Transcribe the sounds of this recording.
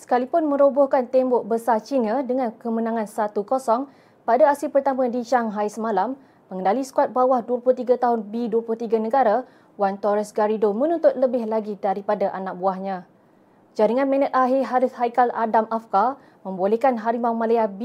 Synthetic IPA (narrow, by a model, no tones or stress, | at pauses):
sə̥kalipʊnmə̃ɾobohkant̪ɛmbɔʔ̚bəsat͡ʃinadəŋãnkəmənãŋãnsat̪ukosɔŋ | padaasipərt̪amãdit͡ʃaŋɦajsəmalamː | əŋəndalisə̥kuat̪̚bawahduaplʊht̪iɡat̪aɦʊnbiduaplʊht̪iɡanə̃ɡaɾa | want̪ɔɾɛsɡaɾidomə̃nũnt̪ʊt̪̚ləbɪhlaɡidaɾipadaʔanak̚buahɲã | d͡ʒaɾiŋãnmɛ̃nɛt̪̚aɦɪɦaɾʊshajkaladamʔafka | mə̃mbolɛhkanɦaɾimawmãlaab